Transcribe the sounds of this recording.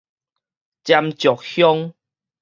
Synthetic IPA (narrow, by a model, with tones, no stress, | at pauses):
t͡ɕja˧mt͡ɕjɔ˨˩k̚hjɔ˦ŋ